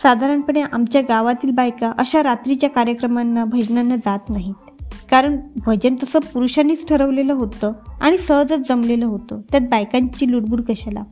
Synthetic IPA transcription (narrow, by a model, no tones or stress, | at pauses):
sad̪ʱaɾəɳpəɳeʔamt͡ɕjaɡaʋat̪iːlbajkaʔəɕaɾat̪ɾit͡ɕjakaɾjəkɾəmanːabʱəd͡ʑnanːad͡zat̪naɦit̪ | kaɾəɳbʱəd͡ʑənt̪əsəpuɾuɕaniːt͡sʈʰəɾəʋleləɦot̪əa̰ɽ̃isəɦd͡zət͡sd͡zəmleləɦot̪ət̪jat̪̚bajkaɲt͡ɕiːluɽbuɽɡəɕala̰